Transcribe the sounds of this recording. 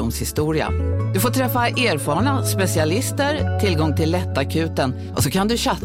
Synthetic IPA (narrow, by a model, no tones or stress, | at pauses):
ʊmshɪst̪uːɾɪa̰d̪ɵfoːʈʰɾɛfːaʔeːɾfɑːɾɳaspɛsɪalɪst̪əɾt̪ʰɪlɡɔŋːt̪ʰɪlːɛt̪ːakʰʉ̟ːt̪ən | ʔɔsɔkʰand̪ɵɕa